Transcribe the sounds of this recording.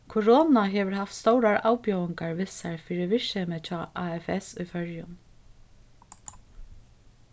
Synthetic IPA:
kʰʊɾoːnaɦɛːʋɪɾɦaft̪st̪owɾaɹʔa̰ːwpjœːwɪŋkaɹʋɪsaɹfiːɾɪʋɪʃɛːmɪt͡ʃʰaːʔaːɛfɛsʊjfœɹjʊn

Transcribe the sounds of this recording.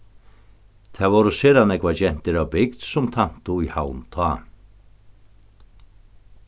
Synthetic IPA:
t̪ʰɛːvɔwɾʊseːɾanɛkvat͡ʃɛn̥t̪ɪɾawbɪkd̪sʊmt̪ʰan̥t̪ʊihawnt̪ʰaː

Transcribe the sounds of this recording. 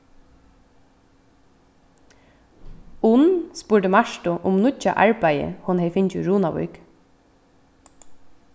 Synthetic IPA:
ʊnspuːʈəmɑʃʈʊʔʊmnʊca̰ʔɑ̰ɹbæɪə̰hʊnheɪfɪncʊɹuːnaʋɔ̰ʏk

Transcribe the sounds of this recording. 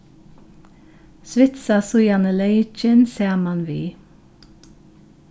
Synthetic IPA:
sʋɪt̪sɑsʊjɑnəleɪt͡ʃənseːʁmɑnʋiː

